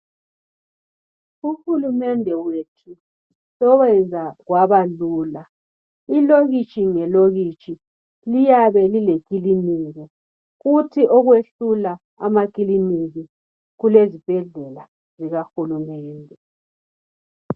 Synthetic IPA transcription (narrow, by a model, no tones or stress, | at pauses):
uxulumɛndʱɛwetʰu | sɔwɛnd͡zʱaɣwaβaluːla | iloɣit͡ʃʼiŋɛloɣit͡ʃʼi | lijaβɛlilekʼiliniːɣɔ | ɣutʰiʔɔɣweɬula | a̰makʼiliniɣi | ɣulezib̥ʱɛɮɛla | ziɣaxulumɛːndʱɛ